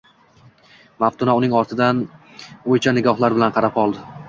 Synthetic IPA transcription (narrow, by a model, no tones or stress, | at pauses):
maft̪ʰʊnaʊnɪŋɒɾt̪ʰɪd̪an | ojt͡ʃʰanɪɡʲɒhlˠaɾbɪlanqʰɑɾapɒlˠd̪ɪ